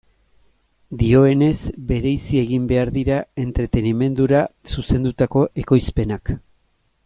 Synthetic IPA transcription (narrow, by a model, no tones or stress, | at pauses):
d̪io̞e̞ne̞zbe̞ɾe̞jsie̞ɣimbe̞aɾðiɾae̞nt̪ɾe̞t̪e̞nime̞nd̪uɾasuse̞nd̪ut̪ako̞ʔe̞ko̞jspe̞nak